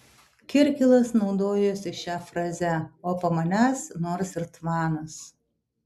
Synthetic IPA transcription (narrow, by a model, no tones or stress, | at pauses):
kʲɪɾʲkʲɪlˠɐsnɐʊd̪oːjoːsʲɪʃʲæfɾɐzʲæoːpɐmɐnʲæːsnoːɾsɪɾt̪ʋɑːnɐs